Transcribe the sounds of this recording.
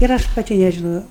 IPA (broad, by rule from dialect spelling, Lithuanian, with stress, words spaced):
ɪr ˈɐʃ pɐˈtʲɪ nʲɛʒʲɪˈnoːjɛʊ